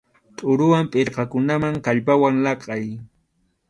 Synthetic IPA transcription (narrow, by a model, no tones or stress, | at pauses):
t̪ʼʊɾʊwampʼɪɾqɑkʊnamaŋkaʎpawaŋlɑqʼɑj